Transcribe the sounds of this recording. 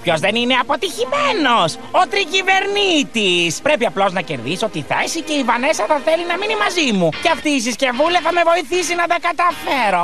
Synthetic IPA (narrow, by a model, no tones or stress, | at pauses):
pço̞zðenine̞ɐpo̞t̪içimeno̞s | ot̪ɾicive̞ɾnit̪ispɾe̞piɐplo̞znɐceɾðiso̞t̪iθesice̞ivɐne̞sɐθɐθe̞linɐminimɐzimuceɐft̪iːs̬isce̞vulɐθɐme̞vo̞iθisinɐd̪ɐkɐt̪ɐfe̞ɾo̞